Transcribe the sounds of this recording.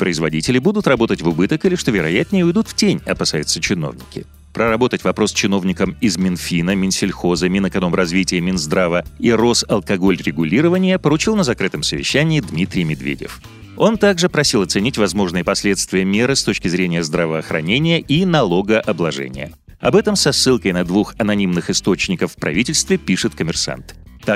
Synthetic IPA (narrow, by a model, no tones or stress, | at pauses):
pɾəɪzvɐ̰dʲitʲɪlʲɪbud̪ʊt̪rɐbo̞t̪ətʲvʊbɨt̪əkɨlʲɪʂt̪o̞vʲɪɾɐjæt̪ʲnʲɪjɪʊjd̪ut̪ftʲenʲɐpɐsajʊt̪sət͡ɕɪno̞̰vnʲɪ̰kʲɪ̰ | pɾəɾɐbo̞t̪ətʲvɐpɾo̞st͡ɕɪno̞vnʲɪkəmɪzmʲɪnfʲinəmʲɪnsʲɪlʲxo̞zəmʲɪnəkɐno̞mrɐzvʲitʲɪjəmʲɪnzd̪ɾavəiro̞sɐlˠkɐɡo̞lʲɾʲɪɡʊlʲiɾəvənʲɪjəpəɾʊt͡ɕilˠnəzɐkɾɨt̪əmsəvʲɪ̰ɕːænʲɪːd̪mʲit̪ɾʲɪjmʲɪd̪vʲḛdʲɪ̰f | o̞nt̪aɡʐɨpɾɐsʲilˠɐt̪sɨnʲitʲvɐzmo̞ʐnɨjəpɐsʲlʲe̞t̪st̪vʲɪjəmʲe̞ɾɨst̪ot͡ɕkʲɪzɾʲenʲɪjəzd̪ɾəvəːxɾɐ̰nʲenʲɪjəʔinɐlˠo̞ɡəʔɐblˠɐʐɛ̰nʲɪ̰jə̰ | ɐ̰bɛt̪əmsɐsːɨlˠkəjnɐd̪vuxɐnɐnʲimnɨxɪst̪o̞t͡ɕnʲɪkəfːpɾɐ̰vʲitʲɪlʲst̪vʲɪpʲiʂɨt̪kəmʲɪrsa̰nt̪ː | a